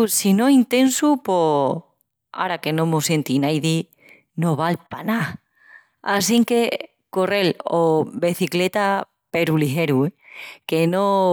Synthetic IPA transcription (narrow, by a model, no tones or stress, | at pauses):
sinõint̪e̞nsupo | a̰ɾake̞nõmosjent̪inajði | noβ̞alpana | asiŋke | korelobeθiklet̪a | pe̞ɾulixeɾuekeno